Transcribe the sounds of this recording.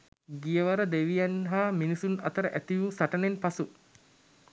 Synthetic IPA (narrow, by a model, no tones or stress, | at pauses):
ɡijəʋəɾəd̪eʋijanɦaːminisunɐt̪əɾəʔæt̪iʋusaʈənenpasu